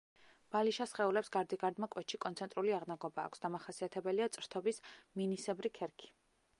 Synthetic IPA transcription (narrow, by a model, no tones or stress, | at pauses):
b̥aliʃasχɛulɛpsɡaɾd̪iɡaɾd̪makʼwɛt̪ʃikʼɔnt̪sʰɛnt̪ʼɾuliaʁnaɡɔba̰ːkʷʰsd̪amaχasiat̪ʰɛbɛliat̪sʼɾt̪ʰɔbisminisɛbɾikʰɛɾkʰi̥